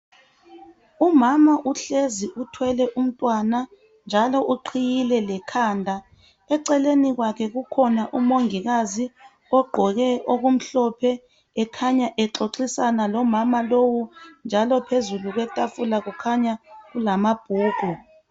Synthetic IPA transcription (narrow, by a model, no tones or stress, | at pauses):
umamaʔuɬeziʔutʰwɛlɛʔum̩tʼwana | nd͡ʒʱalɔʔuǃʰijilɛlɛkʰaːndʱa | ɛǀɛleniɣwakʰɛɣukʰɔnaʔumoŋiɣazi | ɔɡ͡ǃʱɔɣɛʔoɣum̩ɬɔpʰɛ | ɛkʰaɲaʔɛǁoǀisanalɔmamalowund͡ʒʱalɔpʰezuluɣwɛtʼafulaɣukʰaɲaɣulamab̥ʱuːɡ̥ʱu